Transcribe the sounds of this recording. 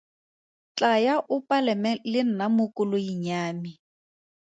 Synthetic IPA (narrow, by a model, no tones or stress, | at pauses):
t͡ɬajaʔʊpʼalɛmɛlɪnamʊkʊlʊjiɲaːmi